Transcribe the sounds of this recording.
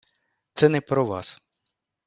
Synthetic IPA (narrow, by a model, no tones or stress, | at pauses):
t̪sɛnɛpɾɔʋɑ̰s